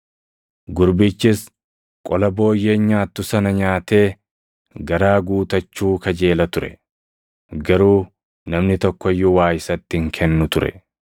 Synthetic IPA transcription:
ɡʊɾbɪt͡ʃːɪs | kʼɔlɐbo̞ːjːe̞ːɲaːt̪ːʊsɐnɐɲaːt̪e̞ː | ɡɐɾaːɡuːt̪ɐt͡ʃːuːkɐd͡ʒe̞ːlɐt̪ʊɾɛ̰ | ɡɐɾuː | nɐmnɪt̪ɔkːɔɪjːʊwaːjɪsɐt̪ːɪŋkʰɛnːʊt̪ʊɾɛ̰

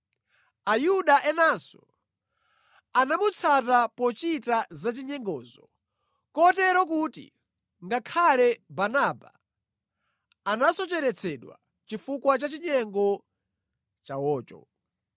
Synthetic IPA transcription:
ajuɗaʔɛnasɔ | anamut͡sʰatapɔt͡ʃitazat͡ʃiɲɛŋɡɔːzɔ | kɔtɛɾɔk̬utḭ | ŋɡakʰalɛbanaba̰ | nasɔt͡ʃɛɾɛt͡sʰɛɗwa̰ | t͡ʃifukwat͡ʃat͡ʃiɲɛŋɡɔ | t͡ʃawɔːt͡ʃɔ̰

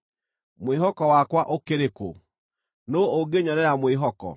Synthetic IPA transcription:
mweɦɔkɔwakwaʔokeɾeko̰ | nooɡeɲɔɾɛamweɦɔkɔ̰

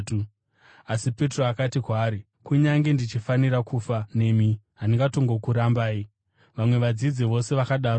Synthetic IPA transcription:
u | asipe̞tro̞akatikwaːɾi | kuɲaŋɡe̞ndit͡ʃifaniɾakʰufane̞mi | ɦaniŋɡato̞ŋɡokuɾambaːi | ʋamwe̞ʋad͡zid͡ziʋo̞se̞ʋakaɗaːr

